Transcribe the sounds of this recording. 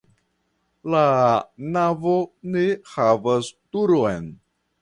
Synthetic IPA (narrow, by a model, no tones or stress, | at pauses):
lanavonehavastuɾojn